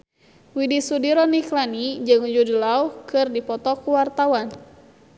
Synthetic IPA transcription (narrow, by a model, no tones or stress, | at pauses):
widisudiɾɔniklanid͡ʒɨŋud͡ʒudilauhkɨrdipɔt̪ɔkuwart̪awan